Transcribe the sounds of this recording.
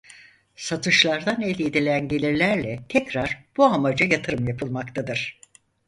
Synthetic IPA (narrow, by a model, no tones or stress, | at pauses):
sat̪ʰɯʃlˠaɾd̪anelʲed̪ilʲænɟe̞lʲiɾlʲæɾlʲɛt̪ʰɛcɾaɾ̥b̥uamad͡ʒajat̪ʰɯɾɯmjapʰɯlˠmakt̪ʰad̪ɯɾ̥